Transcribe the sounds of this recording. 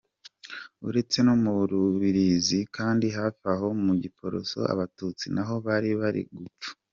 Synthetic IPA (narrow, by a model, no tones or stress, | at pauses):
uɾe̞t͡se̞nomuɾuβiɾizikaːndiɦafaɦo̞muɟipʰo̞ɾo̰so̞̰ʔa̰βatut͡sinaɦo̞βaɾiβaɾḭɡup͡fu̥